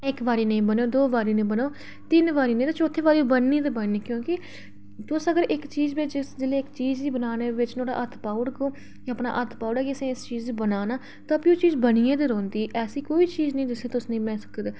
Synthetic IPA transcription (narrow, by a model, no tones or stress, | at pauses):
ɪkʋaːɾiːnẽːbəneoːd̪oːʋaːɾiːnẽːbənoː | t̪ɪnʋaːɾiːnẽːt̪aːt͡ʃoːt̪ʰːeːʋaːɾiːobənːĩːt̪ebənːiːkjõːkɪ | t̪ʊsəɡəɾɪkt͡ʃiːzʋɪt͡ʃd͡ʒɪsd͡ʒ̪ɪleːɪkt͡ʃiːd͡ʒd̪iːbənaːneːʋɪt͡ʃnoːɽa̰ːʔət̪ʰpaːʊɽɡoː | jːpna̰ːʔət̪ʰpaːʊɽaːkiəsẽːɪst͡ʃiːzbənaːnaː | t̪ãːpiːoːt͡ʃiːzbəniːẽːd̪eɾoːnd̪iːʔɛːsiːkoːiːt͡ʃiːznĩd̪ɪseːt̪ʊsnĩːmɛ̃ːsəkəd̪